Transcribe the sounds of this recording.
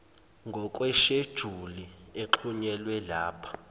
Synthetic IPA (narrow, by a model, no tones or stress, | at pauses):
ŋɡʱɔkʼwɛʃed̥ʒ̥ʱulieǃʰuɲɛlwɛlaːpʰḁ